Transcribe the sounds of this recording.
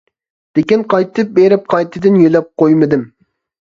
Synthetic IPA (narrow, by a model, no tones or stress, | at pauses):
d̪̥ekʲinqʰɑjt̪ʰɨp̚beɾɪp̚qʰɑjt̪ʰɨd̪ɪnjølɛp̚qojmɨd̪ɪm